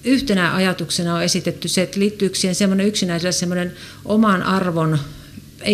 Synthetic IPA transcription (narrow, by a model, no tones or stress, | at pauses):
yht̪enæʔɑjɑt̪uksenɑoesit̪et̪ːyset̪ːliːt̪ːyyksihensemːoneyksinæiselːˑessemːonen | ʔomɑnʔɑrʋon | e